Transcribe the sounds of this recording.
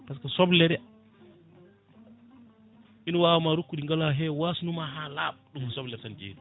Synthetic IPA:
paskasɔblɛɾɛ | ʔinɔwaːwamaɾukːudiŋɡalaɦɛwasunumaɦalaːɓɗumsɔblɛɾtand͡ʒḛːdu

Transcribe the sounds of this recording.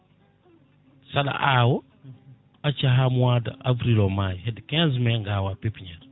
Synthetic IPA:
saɗa̰ʔawɔ | at͡ʃaɦamuwada̰ʔavɾilomajɦedkɛ̃zmeŋɡawapepɲaɾ

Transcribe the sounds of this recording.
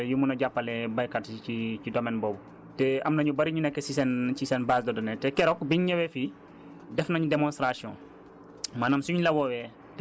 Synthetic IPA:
jumunɐɟapːɐlɛbɐjkɐtiicidɔmɛnbɔːbu | tɛɐmnɐɲubɐɾiɲunɛkːɛsisɛncisɛnbaːsdɔdɔnɛtɛkɛɾɔk̚biɲɲɛwɛfi | dɛfnɐɲudɛmɔnstɾasjɔ̰̃ː | maːnamsuɲlɐwɔwɛ | t

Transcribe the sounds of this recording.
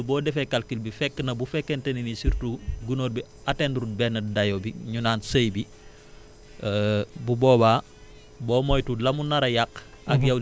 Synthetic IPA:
bɔːdɛfekalkilbifɛkːənɐbufɛkːenteninisiɾtuɡunoːɾbi | atendɾut̚bɛnːɐdajobiɲunaːnsəjbi | bubɔːba | bɔːmojtulɐmunɐɾɐjak | ɐkjɐw

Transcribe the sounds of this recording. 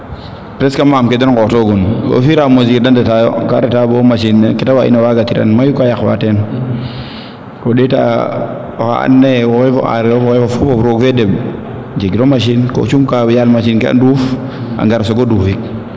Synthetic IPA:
pɾeskamamkedenkoːtoɡuno̰fiɾamozidandetajo̰kaɾetabomaʃinekitawaʔḭnewaɡatiɾa̰nmajukajaxwa̰ten | koɗita̰ | a̰a̰nːewowefo̰a̰ɾiɾofowefofufofɾokfedeb | d͡ʒeɡiɾomaʃ̬inko̰t͡ʃumkabjalmaʃinkea̰duf | a̰ŋɡaɾsoɡoduːfik̚

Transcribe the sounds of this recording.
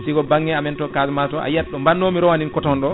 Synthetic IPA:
siɡɔbaŋːɛamɛntɔkasmatɔa̰jɛɗːɔmbanːomiɾɔwaninkɔtɔnɗɔ

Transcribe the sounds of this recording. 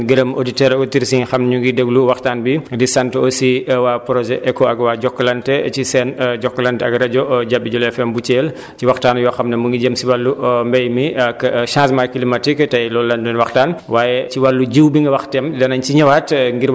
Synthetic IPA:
ɡiɾɐmo̰ditɛɾɡɔtiɾsiɲxɐmɲuŋɡidəɡluwɐxtaːnbidisantɔsiwaːpɾɔʒɛʔɛkɔɐɡwaːɟɔkːlɐntɛcisɛnɟɔkːlɐntɛɐɡɾɐɟɔɟabːiɟɔlɛfɛmbut͡ʃeːl | ciwɐxtaːnjɔxɐmnɐmuŋɡiɟəmsiwɐlːumbɛjmikːʃãːsmajkilimatiktɐjlɔlːɐndɔnwɐxtaːnwaːjɛciwalːuɟiwbiŋɡɐwɐxtɛmdɐnɐɲt͡ʃiɲɐwaːtŋɡi

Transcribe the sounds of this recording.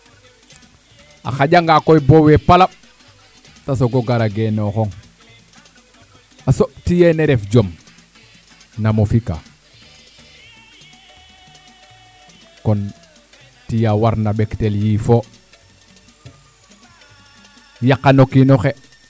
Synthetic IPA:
a̰xaɟaŋɡakojbowepala | tasoɡoɡaɾaɡenoxoŋ | asoɓtijeneɾefɟom | namofika̰ | kon | tijawaɾnaɓekteljifo | jakːanokinoxe

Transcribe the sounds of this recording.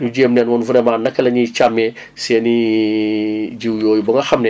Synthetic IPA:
nuɟeːmnɛːnwɔnfuɾɛmaːnːɐkːɐlɐɲit͡ʃamːɛ | sɛːni | ɟiwjoːjubɐŋɡɐxɐmnɛ

